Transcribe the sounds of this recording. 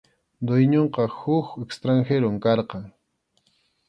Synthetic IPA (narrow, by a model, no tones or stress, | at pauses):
d̪ʊjɲoɴqɑhʊkekst̪ɾaŋxeɾʊŋkɑɾqɑŋ